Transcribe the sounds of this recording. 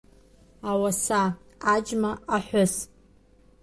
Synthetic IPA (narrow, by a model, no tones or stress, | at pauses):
awasaː | d͡ʒmaaħʷʊs